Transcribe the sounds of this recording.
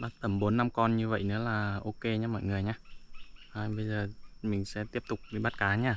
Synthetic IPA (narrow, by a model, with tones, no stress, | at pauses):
ɓaː˦˥t̚t̪ə˧˩mɓo˨˦nːa˧mkɔ˧nɲɨ˧və̰˧˨jnɨ̰˧˥əlaː˨˩ʔo˧ke˧ɲaː˧mɔ̰˧˨jŋɨ˨˩əjɲaː˧ʔaː˧˩ɓə˧jzəː˨˩mï˨˩ŋ̟sɛ̰˧˥t̪i˦˥əp̚t̪ʊ˨˩k͡p̚vi˨˧˦ɓa˦˥t̚kaː˨˦ɲaː˧